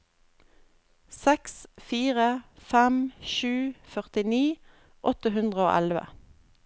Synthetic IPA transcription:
sɛksfiːʁəfæmʃʉːfœʁt̪ɪniː | ʔɔt̪əɦʉnd̪ʁəo̰ːʔælʋə̰

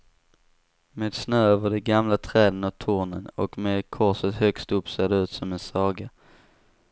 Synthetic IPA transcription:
meːd̪snøːøːvəɖɛɡamlat̪ʰɾɛːd̪ənɔt̪ʰuːɳənɔ̰kmeːd̪kʰɔsət̪hœkst̪ɵpːseːd̪ɛʉ̟ːt̪sɔmɛnsɑːɡa

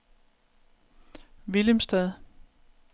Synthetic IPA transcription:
ʋiləmsd̥ɛðˠ

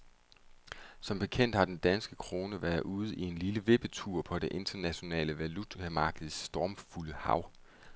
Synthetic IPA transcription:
sɒ̽mb̥e̝kʰen̰d̥hɑ̈d̥end̥ænsɡ̥əkʰʁo̝ːnəʋæɐðˠuð̞̩ˠie̝nliləʋe̝b̥ət͡sʰuɐ̰pʰɒ̽d̥e̝ʔe̝nd̥ɐnæɕo̝nɛ̰ːləʋælut͡sʰæmɑ̈ːɡ̥əð̩ˠsːd̥ɒːmfuləhɑ̈ʊ̰

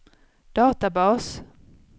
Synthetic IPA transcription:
d̪̥ɑːt̪abɑːs

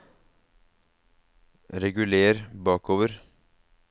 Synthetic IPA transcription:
ɾɛɡʉleːɾbɑːkoːʋəɾ

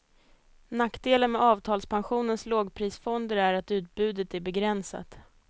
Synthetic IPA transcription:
nakːd̪eːlənmɛɑːvt̪ʰɑːlspʰanɧuːnənsloːɡpʰɾiːsfɔnd̪əɾæɾat̪ʉ̟ːt̪̚bʉ̟ːd̪ət̪æɾbɛɡɾɛnsa̰t̪

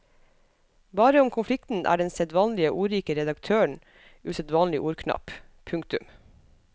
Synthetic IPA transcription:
bɑːɾəʊmkʰʊnflɪkt̪n̩ʔæ̰ːɖɛnsɛd̪ʋɑːnlɪəʔuːɾiːkəɾɛd̪ɑkt̪ʰøːəɳ̩ | ʉːsɛd̪ʋɑːnlɪʔuːɾkʰnɑ̰p | pʰʉŋk̚t̪ʉm

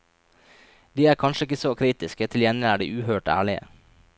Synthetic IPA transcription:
d̪iːæːɾkʰɑnʃəɪkəsoːkʰɾiːt̪ɪskət̪ʰɪljɛnɪæːɖḭːʔʉːhøːʈæ̰ːɭɪə̰

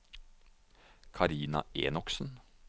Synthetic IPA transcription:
kʰɑɾiːnɑ̰eːnɔksn̩

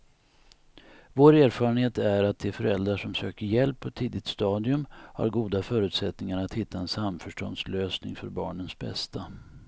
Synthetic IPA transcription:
voːɾæːɾfɑːɾənheːt̪æɾat̪̚d̪ɛːfœɾɛld̪ɾaʂɔmsøːkəɾjɛlpʰːɔɛt̪ʰːiːd̪ɪt̪st̪ɑːd̪ɪɵmha̰ɾɡuːd̪afœːɾʉ̟ːt̪sɛt̪nɪŋaɾat̪hɪt̪ʰːaɛnsamfœʂʈɔ̰nd̪sløːsnɪ̰ŋfœɾbɑ̰ːɳənsbɛ̰st̪ʰa

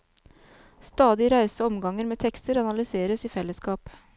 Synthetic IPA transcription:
st̪ɑːd̪ɪɾɑʉsəɔmɡɑŋəɾmeːt̪ʰɛkst̪əɾɑnɑlʏseːɾəsiːfɛləskɑːp

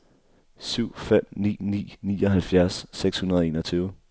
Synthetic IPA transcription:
syʊ̰fem̰nḭːnḭːnḭːɒ̽ɦælfjæɐsːeɡ̥shunɐð̞ˠe̝ːnɒt͡sʰyːʊə

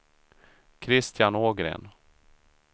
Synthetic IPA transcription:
kʰɾɪst̪janoːɡɾḛːn

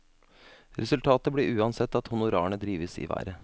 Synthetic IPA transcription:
ɾɛsʉlt̪ʰɑːt̪əbɽiʔʉːɑnsɛt̪ːɑt̪hʊnʊɾɑ̰ːɳəd̪ɾiːʋəsḭːʋæ̰ːɾə

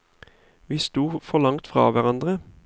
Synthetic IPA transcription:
ʋiːst̪uːfɔlɑŋt̪fʁɑ̰ːʋæʁɑnd̪ʁə

